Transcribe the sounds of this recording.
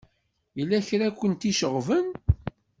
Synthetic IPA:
jəlːæçɾækʷːənt̪iʃəʁvən

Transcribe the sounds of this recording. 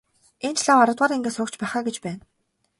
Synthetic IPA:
ent͡ɕɮaːŋaɾə̆t̪waːɾiŋɡeːsʊːkt͡ɕpæːχaːɡet͡ɕpæːn

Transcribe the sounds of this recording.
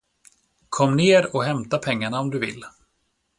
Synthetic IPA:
kʰɔmːneːɾɔɦɛmt̪apʰɛŋːaɳaɔmd̪ɵvɪ̰lː

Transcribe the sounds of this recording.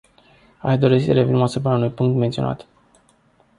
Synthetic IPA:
aʃd̪o̞ɾesəɾe̞vinemasup̬ɾaunujpuŋk̚t̪ment̪siona̰t̪

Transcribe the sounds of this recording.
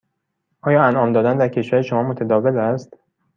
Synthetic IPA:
ʔɒːjɒːænʔɒːmd̪ɒːd̪ænd̪æɾcʰe̞ʃvæɾeʃomɒːmot̪ʰæd̪ɒːvelæst̪

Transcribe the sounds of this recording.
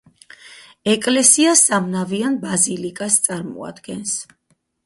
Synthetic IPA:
ɛkʼlɛsiasamnavianbazilikʼast̪sʼaɾmɔ̰a̰d̪ɡɛns

